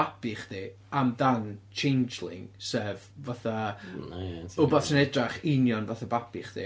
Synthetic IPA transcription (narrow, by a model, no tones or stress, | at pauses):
apʰɪχd̥i | amðant͡ʃʰejnd͡ʒlˠɪ̰ŋsɛvvaθa | ʊbɔsənɛdraχɪnjɔnvaθabapʰɪχd̥ḭ